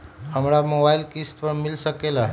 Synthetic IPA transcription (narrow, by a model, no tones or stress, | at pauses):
əmɾamobailkist̪pəɳmɪlʃəkela